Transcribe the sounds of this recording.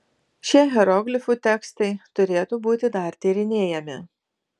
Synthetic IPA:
ʃʲiɛɦʲɛɾɔɡlʲɪfuːˑt̪ʲɛkst̪ɐɪt̪ʊɾʲeːt̪uːbuːt̪ʲɪd̪ɐˑɾt̪ʲiːɾʲɪnʲeːjɛmʲɪ

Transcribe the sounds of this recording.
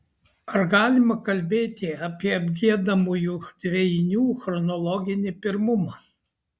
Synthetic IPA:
ɐɾɡɑːlʲɪmɐkɐlʲbʲeːt̪ʲɪɐpʲiɛɐbʲɡʲiɛd̪ɐmuːjuːd̪ʲʋʲɛjnʲuːxɾɔnɔlˠɔɡʲɪnʲɪpʲɪɾmʊmɑː

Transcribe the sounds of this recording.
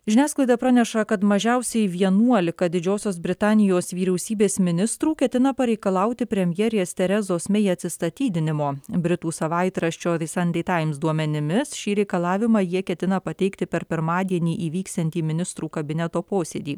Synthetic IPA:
ʒʲɪnʲæːsklˠɐɪd̪ɐpɾɑnʲɛʃɐkɐt̪mɐʒʲɛʊsʲɛɪʋʲiɛnuɔlʲɪkɐd̪ʲɪd͡ʒʲoːsʲoːsbʲɾʲɪt̪ɑːnʲɪjoːsʋʲiːɾʲɛʊsʲiːbʲeːsmʲɪnʲɪst̪ɾuːkʲɛt̪ʲɪnɐpɐɾʲɛɪkɐlˠɐʊt̪ʲɪpʲɾʲɛmʲjɛːɾʲeɛst̪ʲɛɾʲɛzoːsmʲɛɐt̪ʲsʲɪst̪ɐt̪ʲiːd̪ʲɪnʲɪmoːbʲɾʲɪt̪uːsɐʋɐɪt̪ɾɐʃʲt͡ʃʲoːsɐnʲd̪ʲɛɪt̪ɑːjɪmsd̪uɔmʲɛnʲɪmʲɪsʃʲiːɾʲɛɪkɐlˠɑːʋʲɪmɑːjiɛkʲɛt̪ʲɪnɐpɐt̪ʲɛɪkt̪ʲɪpʲɛɾpʲɪɾmɑːd̪ʲiɛnʲiːʔiːʋʲiːksʲt̪ʲɛnʲt̪ʲiːmʲɪnʲɪst̪ɾuːkɐbʲɪnʲɛt̪oːpoːsʲed̪ʲiː

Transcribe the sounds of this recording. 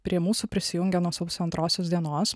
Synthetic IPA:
pʲɾʲiɛmuːsuːpʲɾʲɪsʲɪjʊŋʲɡʲɛnuɔsɐʊʊsʲɐnt̪ɾoːsʲoːsd̪ʲiɛnoːs

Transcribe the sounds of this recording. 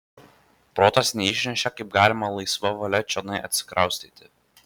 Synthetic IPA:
pɾoːt̪ɐsnʲɛɪʃʲnʲɛʃʲɛkɐɪp̚ɡɑːlʲɪmɐlˠɐɪsʋɐʋɐlʲɛt͡ʃʲonɐɪʔɐ̰t̪ʲsʲɪ̥kɾɐʊsʲt̪ʲiːt̪ʲɪ

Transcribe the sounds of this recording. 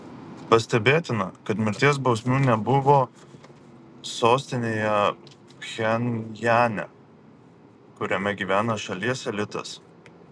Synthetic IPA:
pɐsʲt̪ʲɛbʲeːt̪ʲɪnɐkɐt̪mʲɪɾʲt̪ʲiɛs̬bɒʊsʲmʲuːnʲɛbʊʋoː | soːsʲt̪ʲɪnʲeːjɛ | xʲɛnʲjæːnʲɛ̰ | kʊɾʲɛmʲɛɡʲiːʋʲæːnɐʃɐlʲiɛsʲɛlʲɪt̪ɐ̰s

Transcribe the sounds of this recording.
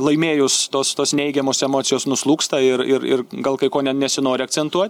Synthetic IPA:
lˠɐɪmʲeːjʊst̪oːst̪oːsnʲɛɪɡʲɛmoːsɛmoːt̪sʲɪjoːsnʊslˠuːkst̪ɐɪrɪ̰ɾɪ̰rɡɐlˠkɐɪkoːnʲɛnʲɛsʲɪnoːɾʲɪɐk̚tt͡s̪ʲɛnt̪uɔt̪ʲ

